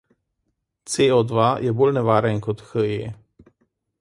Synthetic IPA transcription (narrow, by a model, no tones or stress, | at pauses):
t̪seɔd̪ʋajɛboːlnɛʋaːɾɛnkɔt̪xəe